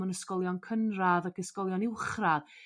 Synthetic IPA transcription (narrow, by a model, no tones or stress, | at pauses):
ənəskɔlˠjɔnkʰənraðakəskɔlˠjɔnɪwχrað